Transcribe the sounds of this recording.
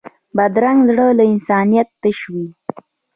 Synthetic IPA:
bad̪ɾaŋɡzɽəlaɪnsɑnijat̪ːəʃwi

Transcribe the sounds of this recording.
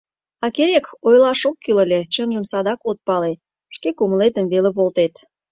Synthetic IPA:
ɑkeɾekojlɑʃokːyləlʲet͡ɕəmʒəmsɑd̪ɑkot̪̚pɑle | ʃkekuməlet̪əmβeleβolt̪et̪

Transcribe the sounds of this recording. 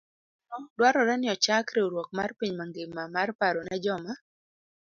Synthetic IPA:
nɔŋdwaɾɔɾɛnɪɔt͡ʃakɾeoɾwɔk̚marpiɲmaŋɡɪmamarpaɾonad͡ʒɔma

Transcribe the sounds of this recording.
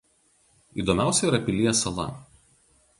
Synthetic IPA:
iːˑd̪omʲæˑʊsʲɛiɾɐpʲɪlʲijɛsɐlˠɐ̰

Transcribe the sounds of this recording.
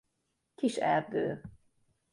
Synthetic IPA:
kiʃɛ̰ld̪øː

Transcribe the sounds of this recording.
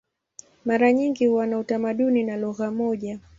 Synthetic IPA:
maɾaɲiŋɡihuwanautamaɗuninalɔɣamɔʄa

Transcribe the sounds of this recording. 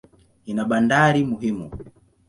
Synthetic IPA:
inaɓandaɾimuɦimu

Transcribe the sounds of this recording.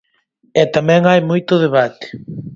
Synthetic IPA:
ɛt̪amɛ̃ŋajmojt̪ʊðeβat̪ɪ̥

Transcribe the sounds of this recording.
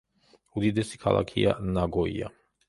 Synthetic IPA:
ud̪id̪ɛsi̥kʰalˠa̰kʰianaɡɔia

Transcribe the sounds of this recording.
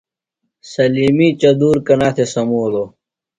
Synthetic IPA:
sɐliːmiːt͡ɕɐd̪uːɾkɐnaːt̪ʰesɐmoːloː

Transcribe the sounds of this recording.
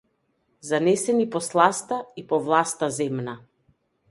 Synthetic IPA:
zanɛsɛnipɔslˠast̪aipɔvlˠast̪azɛmna

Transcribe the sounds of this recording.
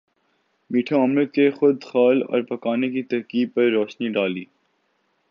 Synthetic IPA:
miːʈʰaaːmɾət̪̚kexʊd̪xaːlɔ̰ːɾpɐkaːnekit̪ɐɦkiːb̚pɐɾːɔːʃniɖaːliː

